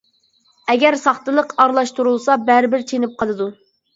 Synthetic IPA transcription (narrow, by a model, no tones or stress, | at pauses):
ɛɡʲæɾsɑχt̪ɨlˠəqɑɾlˠɑʃt̪uɾulˠsɑbæɾɪbɪɾt͡ʃʰenɪp̚qʰɑlˠɨd̪u